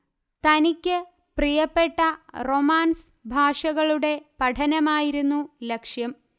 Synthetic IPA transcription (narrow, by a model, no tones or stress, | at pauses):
t̪ɐnikʲːɨ | prijɐpːe̞ʈːɐro̞maːns | bʱaːʂɐɣɐɭuɽe̞pɐʈʰɐnɐmaːjiɾunːulekʂjɐm